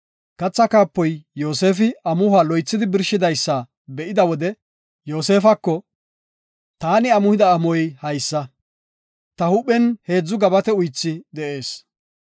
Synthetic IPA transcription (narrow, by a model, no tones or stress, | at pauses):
kɐt͡sːɐkaːpːɔjjo̞ːse̞ːfɪɐmʊhaːlɔjt͡sːɪd̪ɪbɪɾʃɪd̪ɐjsːɐ | bɛʔɪd̪ɐwɔd̪ɛ | jo̞ːse̞ːfɐkːɔ | t̪aːnɪɐmʊhɪd̪ɐːmɔjhɐjsːɐ | t̪ɐhʊpːɛnhe̞ːd͡zːʊɡɐbɐt̪ɛʊjt͡sːɪd̪ɛʔe̞ːs